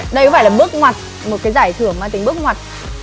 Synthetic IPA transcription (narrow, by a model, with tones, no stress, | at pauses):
ɗə˧kɔ˨˦faː˧˩lːɓɨ˦˥ək̚ŋwa˨˩t̚ | mo˨˩t̚kaː˨˦jzaː˧˩jt̪ʰɨ˧˩əŋmaː˧t̪ï˨˧˩ŋ̟ɓɨ˦˥ək̚ŋwa˨˩t̚